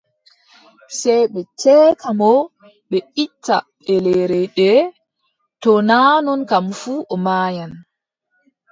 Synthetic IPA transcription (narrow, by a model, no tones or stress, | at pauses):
sɛjɓɛt͡ʃɛːkʰamɔ | ɓɛʔitʰːa̰ɓɛlɛɾɛɗɛ | tɔnaːnɔnkamfuːʔɔmaːjan